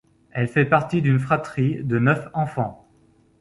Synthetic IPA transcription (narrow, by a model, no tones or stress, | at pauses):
ɛlfɛpaʁt̪id̪ynfχat̪χid̪ənœfɑ̃fɑ̃